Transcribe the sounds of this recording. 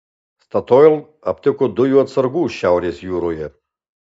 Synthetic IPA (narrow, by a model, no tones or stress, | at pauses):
st̪ʰat̪ʰɔɛl | a̰pt̪ʰɛkʰɔd̪ɔjuat͡s̪ʰərɡuʃawɾɛsjuɾɔjɛ